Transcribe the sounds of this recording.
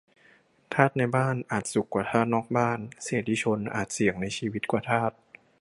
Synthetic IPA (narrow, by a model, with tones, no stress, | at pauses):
t̪ʰaː˥˩t̪̚na˧jbaː˥˩nʔaː˨˩t̪̚su˨˩kːwaː˨˩t̪ʰaː˥˩t̪̚nɔː˥˩k̚baː˥˩nseː˨˩t̪̚d̪iː˧˥t͡ɕʰo˧nʔa̰ː˨˩t̪̚si˨˩˦əŋna˧jt͡ɕʰiː˧wi˦˥t̪̚kwaː˨˩t̪ʰaː˥˩t̪̚